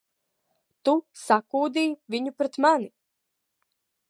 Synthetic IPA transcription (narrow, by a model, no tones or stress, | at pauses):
t̪usakuːd̪iːviɲupɾɛt̪mani